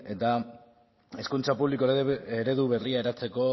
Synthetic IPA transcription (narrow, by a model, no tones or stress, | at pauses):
e̞t̪a | e̞skunt͡sapuβlikoeɾe̞ðuβe̞riaeɾat͡se̞ko̞